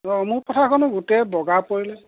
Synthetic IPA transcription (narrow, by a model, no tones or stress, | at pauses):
ɔmʊɹpɔtʰakʰɔnɔɡutɛbɔɡapoɹilɛ